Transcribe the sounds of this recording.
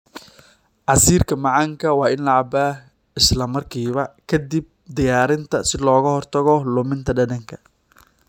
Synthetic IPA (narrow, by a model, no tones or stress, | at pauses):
ʕɑsiːrkʰɐmɑʕɑŋkʰɐwɑːɪnlɐʕɑbaːh | ɪslɐmɐrkʰiːβɐkʰɐd̪ib̚d̪ɪjaːɾɪnt̪ʰɐsɪlɔːɣɐhɔrt̪ʰɐɣɔlʊmɪnt̪ʰɐɖɐdɐŋkʰɐ